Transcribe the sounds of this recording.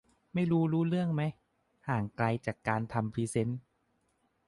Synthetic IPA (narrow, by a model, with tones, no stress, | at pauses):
ma˥˩jɾuː˦˥ɾuː˦˥lɯ˥˩əŋma˦˥j | haː˨˩ŋkla˧jt͡ɕaː˨˩kːaː˧nt̪ʰa˧mpʰiː˦˥se˦˥n